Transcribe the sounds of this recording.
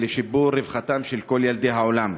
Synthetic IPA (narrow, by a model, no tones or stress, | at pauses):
leʃibuʁɾevχat̪amʃelko̞ljald̪ejɦaolam